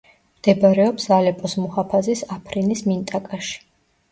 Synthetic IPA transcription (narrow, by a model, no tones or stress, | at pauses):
md̪̥ɛbaɾɛɔpsalɛpʼɔsmuhapʰazisapʰɾinismint̪ʼakʼaʃi̥